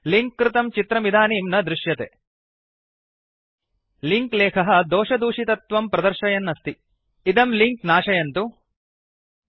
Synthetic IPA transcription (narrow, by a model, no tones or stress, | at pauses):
liŋkːɾɪt̪ɐmt͡ʃit̪ɾɐmid̪ʱaːniːmnɐd̪ɾuʃjɐt̪e | liŋkleːkʰɐɦɐd̪ɔːʃɐd̪uːʂit̪ɐt̪ʋɐmpɾɐd̪ɐɾʃɐjɐnːɐst̪i | id̪ɐmliŋk̚naːʂɐjɐnt̪u